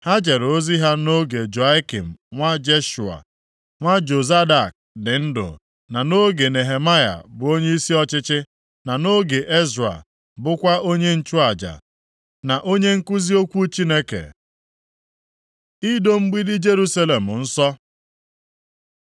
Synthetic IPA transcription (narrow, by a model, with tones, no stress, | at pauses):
ha˦d͡ʒe˨ɾo˦zi˦ɦa˦no˦ɡe˨d͡ʒo˨a˦kḭ˨m̩˨ŋʷa˦d͡ʒe˦ʃu˨a̰˨ | ŋʷa˦d͡ʒo˨za˦da˨k̚dɪ˨n̩˦dʊ̰˨ | na˨no˦ɡe˨ne˨ɦe˨ma˦ja̰˨bʊ˨o˦ɲe˦i˦si˦ɔ˦t͡ʃɪ˦t͡ʃɪ˦ | na˨no˦ɡe˨ʔe˦zɾa̰˨ | bʊ˦kʷa˦ʔo˦ɲe˦n̩˦t͡ʃu˦a˨d͡ʒa̰˨ | na˨ʔo˦ɲe˦ŋ̩˦ku˦zi˦o˦kʷu˦t͡ʃi˦ne˦kḛ˨ | i˦do˦m̩˦ɡ͡bi˦dɪ˦d͡ʒe˦ɾu˦sa˦le˨m̩˨n̩˦sɔ˦